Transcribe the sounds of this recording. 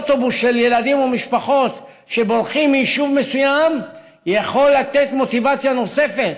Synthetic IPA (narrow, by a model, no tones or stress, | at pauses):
t̪o̞busʃelje̞lad̪imumiʃpaχo̞t̪ | ʃe̞bo̞lχimːiiʃuvmesujam | jaχo̞lːat̪et̪mo̞t̪ivat͡sjano̞se̞fe̞t̪